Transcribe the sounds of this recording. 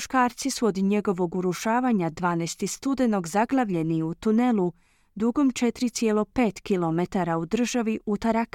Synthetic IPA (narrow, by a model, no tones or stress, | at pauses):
ʃkaːɾt̪sisuo̞d̪ɲe̞ɡo̞ʋo̞ɡuɾuʃaːʋaɲad̪ʋaːnɛjst̪ist̪ud̪e̞no̞ɡzaɡlˠaʋʎe̞niut̪une̞lˠu | d̪uɡo̞mt͡ʃe̞t̪ɾit̪sje̞lˠo̞pe̞ːt̪kilo̞met̪aɾaud̪r̩ʒaʋiʔut̪aɾak